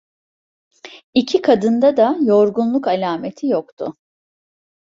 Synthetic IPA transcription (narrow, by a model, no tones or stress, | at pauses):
icʰikʰad̪ɯnd̪ad̪ajo̞ɾɡunlˠukalʲaːme̞t̪ʰijokt̪ʰʊ̰